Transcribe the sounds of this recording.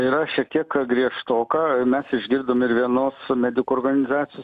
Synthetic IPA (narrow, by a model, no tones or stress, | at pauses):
iːɾɐʃʲiɛk̚t̪ʲiɛkɡɾʲiɛʃt̪oːkɑːmʲɛsɪʒʲɡʲɪɾd̪oːmɪɾʋʲiɛnoːsmʲæd̪ʲɪkuɔrɡɐnʲɪzɑːt͡s̪ʲɪjoːs